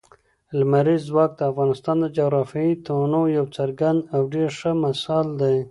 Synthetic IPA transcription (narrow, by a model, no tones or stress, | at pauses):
lmaɾizːwɑk̚d̪əafɣɑnɪst̪ɑnd̪əd͡ʒaɣɾɑfjɑit̪ʰonojawt͡saɾɡand̪awɖeɾʂəmasɑld̪aj